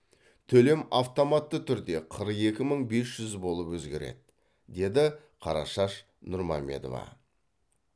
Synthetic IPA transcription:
t̪ʰɵle̞maft̪o̞mɑt̪ːət̪ʰʏɾd̪e̞qʰəɾəqe̞kʲɪməɴbe̞sʒ̥ʏzbo̞lˠəpwɵzɡʲe̞̰ɾe̞̰d̪ɪ | d̪e̞d̪ɪ | qʰɑɾɑ̰ʃɑʃ | nʊɾma̰mʲːe̞̰d̪o̞̰vɑ̰

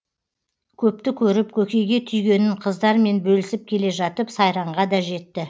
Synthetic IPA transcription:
kʲʰɵp̚t̪ɪkʲʰɵɾɪp̚kʲʰɵkʲe̞jɡʲe̞t̪ʰʏjɡʲe̞nɪɴqʰəzd̪ɑɾme̞nbɵlɪsɪp̚kʲʰe̞le̞ʒɑt̪əpsɑjɾɑɴʁɑd̪ɑʒe̞t̪ːɪ

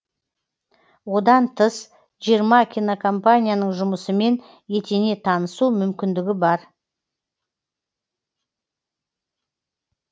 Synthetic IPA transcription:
wo̞d̪ɑnt̪ʰəs | ʒijəɾmɑkʲʰijnokʰompanʲijanəɴʒʊməsəme̞n | je̞t̪ene̞t̪ʰɑnəsumʏmkʲɪnd̪ɪɡʲɪbɑɾ

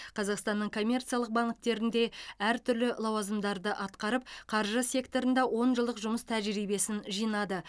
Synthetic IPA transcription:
qʰɑzɑqst̪ɑnːəɴkʰo̞mʲːe̞rt̪sijɑlˠəq̚bɑɴ̚t̪e̞ɾɪnd̪e̞æɾt̪ʰʏɾlɪlˠɑwɑzəmd̪ɑɾd̪əʔɑt̪qɑɾəp̚qʰɑɾʒəsʲje̞kt̪o̞ɾənd̪ɑwo̞nʒəlˠd̪əqʒʊməst̪ʰæʒɾijbe̞sɪnʒijnɑd̪ə

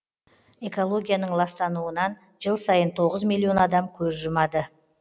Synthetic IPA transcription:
e̞ko̞lˠo̞ɡʲijanəɴlˠɑst̪ɑnuənɑn | ʒəlˠsɑjənt̪ʰo̞ʁəzmilʲːio̞nɑd̪ɑmkʲʰɵzʒʊmɑd̪ə

